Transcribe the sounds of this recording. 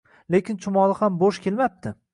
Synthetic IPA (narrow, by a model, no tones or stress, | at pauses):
lekʲʰɪnt͡ʃʰʊmɒlˠɪhamboʃkʲʰe̞lmap̚t̪ʰɪ